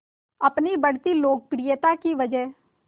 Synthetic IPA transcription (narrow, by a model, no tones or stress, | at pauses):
ɐpnibɐɽ̤t̪iloːk̚pɾijət̪akiʋɐd͡ʒə